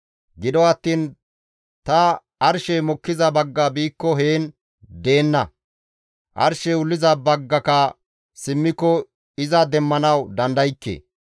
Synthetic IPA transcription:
ɡɪd̪ɔɐt̪ːiːn | t̪ɐ | ɐɾʃemɔkːɪzɐbɐɡːɐbiːkːɔɦeːn | d̪e̞ːnːɐ | ʔɐ̰ɾʃɛʊlːɪzɐbɐɡːɐkɐ | sɪmːɪkːɔ | ɪzɐd̪ɛmːɐnɐwd̪ɐnd̪ɐjɪkːḛː

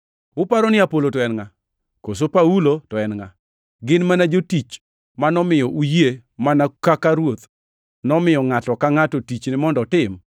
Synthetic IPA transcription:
ʊpaɾɔnɪapolotɔɛnŋa | kos̬opaulotwɛnŋa | ɡɪnmanad͡ʒotit͡ʃ | manɔmɪjɔʔujemanakakaɾwot̪ | nɔmɪjɔŋatɔkaŋatotit͡ʃnɪmɔndɔtɪm

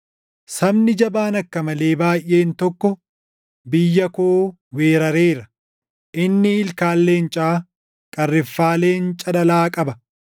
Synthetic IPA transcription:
sɐbnɪd͡ʒɐbaːnɐkːɐmɐle̞ːbaːjʔːe̞ːnt̪ɔkːɔ | bɪjːɐkoː | we̞ːɾɐɾeːɾɐ | ʔɪnːɪɪlkaːlːe̞ːnt͡ʃʼaː | kʼɐrːɪfːaːle̞ːnt͡ʃʼɐᶑɐlaːkʼɐbɐ

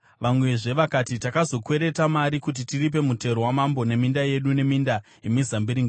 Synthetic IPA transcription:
ʋamwe̞ʐe̞ʋakatitakazo̞kwe̞ɾe̞tamaɾikut̬itirip̬e̞mute̞ɾowamambo̞ne̞mindaje̞ɗune̞minda | imizambiɾiŋɡa

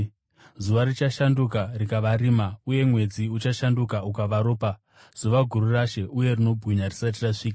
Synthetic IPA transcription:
zuʋarit͡ʃaʃandukarikaʋaɾiːmauje̞mwe̞d͡ziut͡ʃaʃandukaukaʋaɾo̞ːpa | z̥uʋaɡʱuɾuraʃe̞ʔuje̞rino̞bʱɣiɲarisat̬iraʂiːka

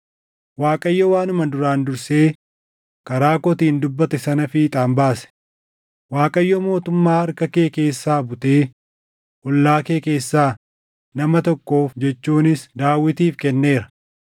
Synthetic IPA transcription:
waːkʼɐjːɔwaːnʊmɐd̪ʊɾaːnd̪ʊɾse̞ː | kɐɾaːkɔt̪iːnd̪ʊbːɐt̪ɛsɐnɐfɪt̪ʼaːmbaːsɛ̥ | waːkʼɐjːɔmo̞ːt̪ʊmːaːɐɾkɐkeːke̞ːsːaːbʊt̪e̞ː | ʔɔlːaːkeːke̞ːsːaː | nɐmɐt̪ɔkːo̞ːfd͡ʒɛt͡ʃːuːnɪsd̪aːwːɪt̪iːfkɛnːe̞ːɾɐ̥

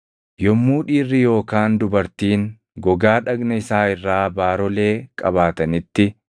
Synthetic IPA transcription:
jɔmːuːᶑiːrːɪjo̞ːkaːnd̪ʊbɐɾt̪iːŋ | ɡɔɡaːᶑɐɡnɐɪsaːɪrːaːbaːɾɔle̞ːkʼɐbaːt̪ɐnɪt̪ːɪ

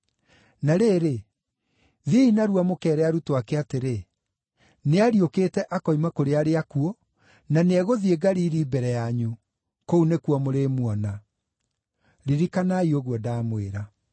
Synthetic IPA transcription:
naɾeːɾe | ðiinaɾuamokɛːɾɛaɾutoakɛateɾe | neaɾioketɛʔakɔimakoɾeaɾeakuɔ | naneɛɣoðieɡaɾiːɾiːbɛɾɛjaɲu | kounekuɔmoɾemuɔna | ɾiɾikanaioɣwɔdaːmwḛɾa

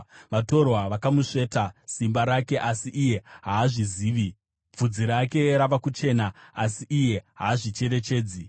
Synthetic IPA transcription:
ʋato̞rwaʋakamuʂe̞ːtasimbaɾake̞ʔasiʔije̞ɦaːʐiziːʋi | b͡vud͡ziɾake̞ɾaʋakut͡ʃe̞ːnaasiʔije̞ɦaːʐit͡ʃe̞re̞t͡ʃe̞ːd͡zi

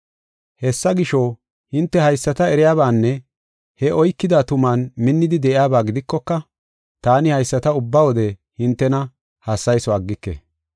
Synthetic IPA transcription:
hɛsːɐɡɪʃɔ | hɪnt̪ːɛhɐjsːɐt̪ɐɛɾɪjaːβaːnːɛ | hɛʔɔjkːɪd̪aːt̪ʊmaːnmɪnːɪd̪ɪd̪ɛʔɪjaːbaːɡɪd̪ɪkːɔkːɐ | t̪aːnɪhɐjsːɐt̪ɐʊbːɐwɔd̪ɛhɪnt̪ːɛnɐ | hɐsːɐjsɔɐɡːɪkːḛ

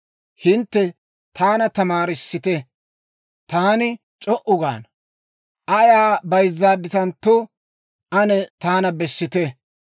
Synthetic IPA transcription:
hɪnt̪ːɛ | t̪ʰaːnɐt̪ɐmaːɾɪsːɪt̪ɛ | t̪aːnɪ | t͡ʃʼɔʔʊɡa̰ːn | ʔɐjaːbɐjzːaːd̪ːɪt̪ɐnt̪ːo | ɐnɛt̪aːnɐbɛsːɪt̪ɛ

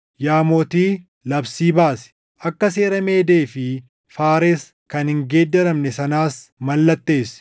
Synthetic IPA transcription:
jaːmoːt̪iː | lɐbsiːbaːsɛ̥ | ʔɐkːɐseːɾɐme̞ːd̪e̞ːfɪ | faːɾes | kɐnhɪŋɡe̞ːd̪ːɛɾɐmnɛsɐnaːsmɐlːɐt̪ːe̞ːs

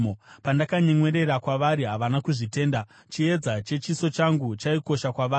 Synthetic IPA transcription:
opandakaɲeŋwe̞ɾe̞ɾakwaʋaɾiɦaʋanakuʐite̞ːnda | t͡ʃie̞d͡zat͡ʃe̞t͡ʃiso̞t͡ʃaŋɡut͡ʃaiko̞ʃakwaʋaː

